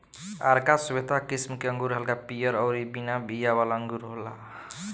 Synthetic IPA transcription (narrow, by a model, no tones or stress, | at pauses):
a̰ɾkasubet̪akismkeʌŋɡuɾɦəlkapijʌɾʌwɾibinabijabalaʌŋɡuɾɦola